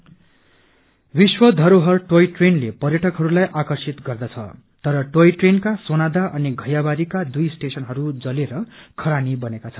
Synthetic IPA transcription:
biswʌd̪ʱʌɾoɦʌrʈojʈrenlepʌrjʌʈʰʌkɦʌɾulajʔakʌrsit̪ɡʌrd̪ʌt͡sʰʌ̰ | t̪ʌɾʌʈojʈrenkasonad̪aʔʌniɡʱʌjabaɾikad̪ujsʈesʌnɦʌɾud͡zʌleɾʌkʰʌɾanibʌnekat͡sʰʌn

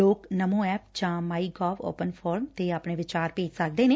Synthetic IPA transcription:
oːknəmõːɛːp̚d͡ʒãːmaːiːɡɔːʋo̰ːpənpʰɔːɾmt̪eːaːpɳeːʋɪt͡ʃaːɾpeːd͡ʒsək̚d̪eːneː

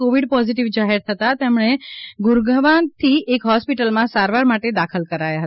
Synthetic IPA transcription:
koʋiɖpɔziʈiʋd͡ʒaɦiɾt̪ʰət̪at̪emɳ̃eɡʊɾɡəʋant̪ʰiʔekɦɔspiʈəlmãsaɾʋaɾmaʈed̪akʰəlkəɾajaɦə

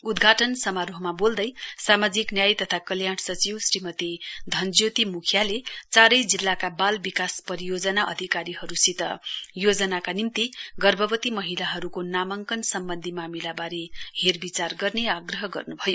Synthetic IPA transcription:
ud̪ɡʱaʈʌnsʌmaɾoɦmabold̪ʌjsamad͡ziknjajt̪ʌt̪ʰakʌljaɽsʌt͡siwsrimʌt̪id̪ʱʌnd͡zjot̪imukʰjalet͡saɾʌjd͡zilːakabalbikaspʌɾijod͡zʌnaʔʌ̰d̪ʱikaɾiɦʌɾusit̪ʌ̰jod͡zʌnakanimt̪iɡʌrbʱʌbʌt̪imʌɦilaɦʌɾukonamʌŋkʌnsʌmbʌnd̪ʱimamilabaɾeherbit͡sarɡʌrneaɡrʌɦʌɡʌ̰rnubʱʌjo

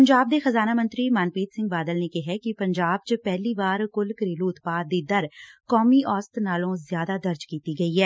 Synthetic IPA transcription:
pəɲd͡ʒaːb̚d̪eːxəzaːnaːmə̃nt̪ɾiːmaːnpiːt̪sɪ̃ŋɡ̚baːd̪əlnekɪɦɛkɪpəɲd͡ʒaːb̚t͡ʃəpɛːliːʋaːɾkʊlkəɾeːluːʊt̪paːd̪iːd̪əɾkɔːmiːʔɔːst̪naːlõːzjaːd̪aːd̪əɾd͡ʒkiːt̪iːɡəiːɦɛː

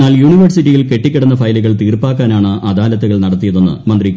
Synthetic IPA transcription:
aːljuːɳiʋɐrsiʈːijilke̞ʈːikʲːɐɽɐnːɐfɐjluɣɐɭt̪iːrpaːkːaːnaːɳɨʔɐd̪aːlɐt̪ːuɣɐɭnɐɽɐt̪ːijɐðo̞nːɨ̰mɐnd̪rikː

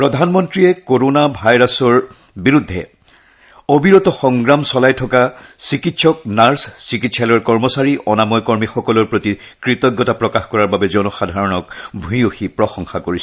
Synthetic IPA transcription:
pɹɔdʱanmɔntɹijɛkoɹonabʱajɹasɔɹ | biɹudʱːɛ | obʱiɹɔtɔxɔŋɡɹamsɔlajtʰɔkasikitsɔk̚naɹssikitsalɔɹkɔɹmɔsaɹiʔɔnamɔjkɔɹmixɔkɔlɔɹpɹoti | kɹitɔɡːɔtapɹɔkaxkɔɹaɹbabɛzɔnɔxadʱaɹɔnɔkbʱũjoxipɹɔxɔŋxakoɹisɛ

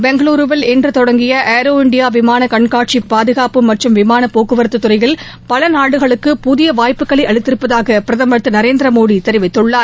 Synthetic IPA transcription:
bɛŋɡɐɭuːɾɯʋɐlɛndrɯt̪ɔɽɐŋɡɪjɐʔeːɾoːɪɳɖɪjaːʋɪmaːnɐkɐɳkaːʈ̚t͡ʃipːaːðɯɣaːpɯmːɐʈrɯmʋɪmaːnɐpoːkːɯʋɐɾɯt̪ːɯt̪ːʊɾɐɪjɪl | pɐlɐnaːɽɯɣɐɭɯkːɯpʊðɪjɐʋaːjpːɯkːɐɭɐɪʔɐɭɪt̪ːɪɾɯpːɐðaːɣɐpɪɾɐðɐmɐɯt̪ːɯnɐɾeːnd̪ɾɐmoːðit̪ɛɾɪʋɪt̪ːɯɭːaːɾ

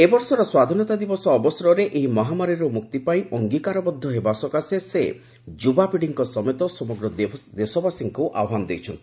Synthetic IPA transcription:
ebɔɾsɔɾɔswad̪ʱɔnɔt̪ad̪ibɔsɔːbɔsɾɔɾeʔeɦimɔɦamaɾiɾomuk̚t̪ipaĩʔɔŋɡikaɾɔbɔd̪ʱːɔɦebasɔkasese | d͡ʒubapiɽiŋkɔsɔmet̪ɔsɔmɔɡɾɔdd̪esɔbasiŋkuʔa̰wɦanɔd̪ejt͡ʃʰɔnt̪ʰi

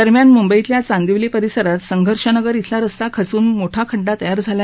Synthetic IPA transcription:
əɾmjanmumbəit̪ljat͡sãnd̪iʋlepəɾisəɾat̪səŋɡʱəɾʂənəɡəɾit̪ʰlaɾəst̪akʰət͡suːnmoʈʰakʰəɖːat̪əjaɾd͡zʱala

